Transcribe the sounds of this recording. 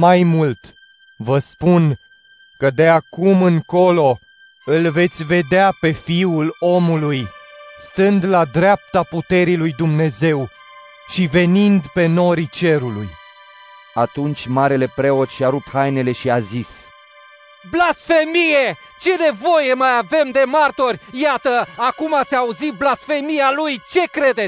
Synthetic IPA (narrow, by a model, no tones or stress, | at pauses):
majmult̪ | vəspun | kəd̪e̞akumɨŋko̞lo̞ | ɨlve̞t̪sʲve̞d̪eape̞fiulo̞mulujst̪ɨnd̪lad̪ɾap̚t̪aput̪e̞ɾilujd̪umne̞ze̞w | ʃive̞nind̪pe̞no̞ɾit͡ʃe̞ɾulṵj | at̪unt͡ʃʲmaɾe̞le̞pɾe̞ot̪ʃiaɾuphajne̞le̞ʃiazis | blasfemije | t͡ʃe̞ne̞vo̞jemajave̞md̪e̞mart̪orʲjat̪əakumat̪sʲauzit̪̚blasfe̞mijalujt͡ʃe̞kɾe̞d̪e